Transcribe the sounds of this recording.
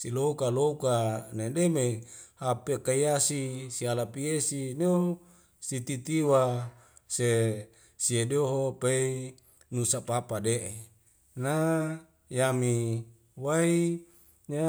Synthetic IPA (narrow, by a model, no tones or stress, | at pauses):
silokalokanedemehapekaiasisialapiesineo | sit̪it̪iwa | se | siedoɦopei | nusapapadeʔe | na | jami | wai | ɲa